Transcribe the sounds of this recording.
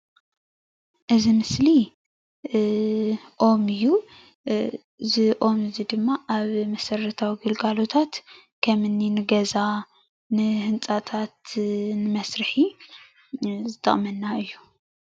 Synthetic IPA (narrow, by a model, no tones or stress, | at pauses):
ʔɨzimɨsli | ʔo̞mɨjːu | zɨʔo̞mɨzid̪ɨmːaʔaβmɐsɐrːɐt̪ʰawiɡɨlɡalo̞t̪ʰat̪ | kʰɐmɨnːinɨɡɐza | nɨhɨnt͡sʼat̪ʰat̪nɨmɐsɾɨħi | zɨt̪ʰɐ̰χʼmɐnːaɨjːu̥